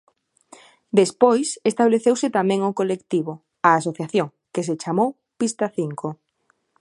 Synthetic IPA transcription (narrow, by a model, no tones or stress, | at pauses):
d̪espojsest̪aβleθewsɪt̪amɛ̃ŋʊkolekt̪iβo | aːs̬oθjaθjoŋ | keset͡ʃamow | pist̪aθiŋko